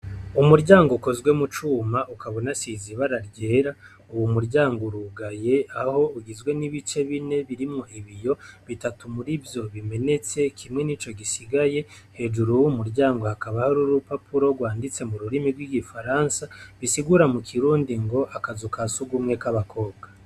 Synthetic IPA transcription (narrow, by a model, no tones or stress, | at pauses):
umuɾɟaːŋɡoko̞zɡwe̞mut͡ʃuːmaʔukaβo̞nasiːziβaɾaɾɟe̞ːɾa | uwumuɾɟaːŋɡoɾuɡaje̞aho̞uɡizɡwe̞niβit͡ʃe̞βine̞βiɾimo̞ʔiβijo̞βitatumuɾivjo̞βime̞ne̞t͡se̞kʰimŋe̞nit͡ʃo̞ɡisiɡaje̞ | he̞ːd͡ʒuɾuwumuɾɟaːŋɡo̞hakaβahaɾuɾupapuɾo̞ɡwaːndit͡se̞muɾuɾimiɾɡwiɡifaɾaːnsaβisiɡuɾamukʰiɾuːndiŋɡo̞ʔakazukasuɡumŋe̞kaβakʰo̞ːbɡa